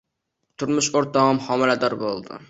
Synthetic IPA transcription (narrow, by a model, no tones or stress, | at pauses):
t̪ʰʊɾmʊʃoɾt̪ɑɑmhɒmɪlad̪ɒɾbolˠd̪ɪ̰